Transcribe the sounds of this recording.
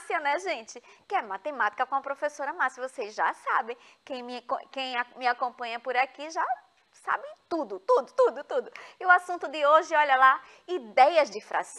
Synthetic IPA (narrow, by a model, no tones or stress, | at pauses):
siɐnɛʒẽt͡ʃɪkɪɛmat̪emat̪i̥kɐkõɐpɾofesoɾɐmasjɐvosezʒa̰sa̰bẽj̃kẽj̃mɪkõkẽj̃amɪakõpɐ̃ɲɐpoɾakiʒa | sa̰bẽj̃t̪ud̪ʊt̪ud̪ʊt̪ud̪ʊt̪ud̪ʊɪʊasũt̪ʊd̪ɪoʒɪɔʎɐla | id̪ɛjɐzd͡ʒɪfɾa̰s